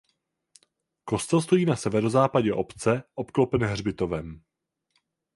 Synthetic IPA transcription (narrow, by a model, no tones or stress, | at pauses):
ko̞st̪ɛlst̪o̞jiːnasɛvɛɾo̞zaːpaɟɛʔo̞pt͡sɛʔopklopɛnɦr̝bɪt̪o̞vɛm